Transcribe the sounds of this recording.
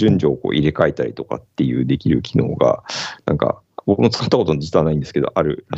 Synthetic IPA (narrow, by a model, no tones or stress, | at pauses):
ʑɨ̃ɲd͡ʑo̞ːko̞̰ːʔiɾe̞kait̪aɾʲit̪o̞ka̰t̪ːe̞jɯ̟ːd̪e̞kʲiɾɯ̟kʲino̞ːɡa̰nã̰ŋka̰ | bo̞kɯ̟mo̞t͡sɨ̥kat̪ːakot̪o̞nod͡ʑi̥t͡sanaĩnd̪sɨ̥ked̪o̞̰ʔaɾɯ̟ɾa